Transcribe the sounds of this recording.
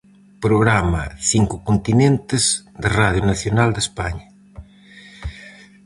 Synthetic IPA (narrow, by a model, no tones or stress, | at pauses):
pɾoɣɾamɐ̰θiŋkʊkont̪inẽnt̪ɪz̥d̪eraðjunaθjonald̪espaɲɐ